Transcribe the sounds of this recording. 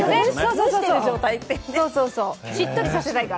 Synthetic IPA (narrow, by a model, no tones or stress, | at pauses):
nesoːsoːsoːsod͡ʑoːt̪ait̪ːessoːsoːsoːɕit̪ːoɾʲisase̞t̪aika